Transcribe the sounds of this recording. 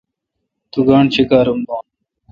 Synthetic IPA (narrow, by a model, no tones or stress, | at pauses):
t̪uɡaːɳt͡ɕʰikaːɾumboːn